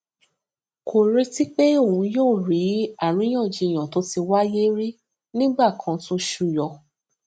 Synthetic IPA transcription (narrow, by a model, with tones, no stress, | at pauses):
kʰo˨ɾe˧˦ti˦k͡pe˦o˦˨wũ˧joː˦˨ɾi˨˦a˦˨ɾ̃ĩ˨˦j̃ã˦˨d͡ʒi˧˨j̃ã˨to˨˦ti˧wa˦je˦ɾi˦ | nĩ˦ɡ͡ba˦˨kʰã˧tũ˦ʃu˦˧˨jɔ˧